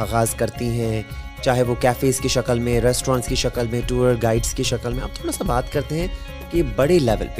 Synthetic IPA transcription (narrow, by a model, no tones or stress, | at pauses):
aːɣaːzkɐɾt̪iɦɛ̃ | t͡ʃaːɦeʋokɛːfeːzkeʃɐkəlmẽɾɛsʈɾãːnskeʃɐkəlmẽʈuːəɾɡaːɪɖskeʃɐkəlmẽɐ̰b̚t̪ʰoːɽasabaːt̪kɐɾt̪eɦɛ̃ | kebɐɽelɛʋə̰lp